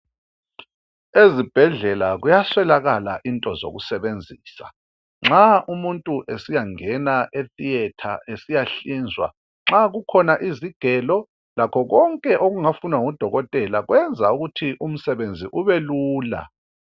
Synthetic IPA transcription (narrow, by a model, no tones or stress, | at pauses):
ezib̥ʱɛɮɛlaɣujaswɛlaɣala̰ʔintʼɔzo̰ɣusɛβend͡zʱiːsa̰ | ŋ͡ǁaʔumuntʼuʔesijaŋɛnaʔeθijɛtʰa̰ʔesijaɬiːnd͡zʱwa̰ | ŋ͡ǁaɣukʰɔnaʔiziɡ̥ʱɛlɔ | lakʰɔɣɔŋkʼɛʔoɣuŋafunwaŋud̥ʱɔɣɔtʼɛlaɣwɛnd͡zʱauɣutʰiʔum̩sɛβend͡zʱiʔuβeluːla̰